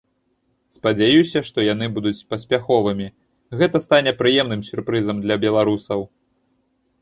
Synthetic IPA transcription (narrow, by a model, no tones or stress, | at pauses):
spɐd͡zʲajusʲɐʂt̪ɔjan̪ɨbud̪ut͡sʲpɐsʲpʲaxɔvɨmʲi | ɣɛt̪ɐst̪anʲɛpɾɨjɛmnɨmsʲurpɾɨzɐmd̪lʲɐbʲɛlˠaɾusɐw